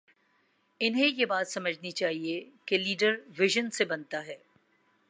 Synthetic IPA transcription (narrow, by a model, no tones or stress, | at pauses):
ɪnɦẽjebaːt̪sɐməd͡ʒʱnit͡ʃaːɦiekeliːɖəɾʋɪʒənsebɐnt̪aɦɛː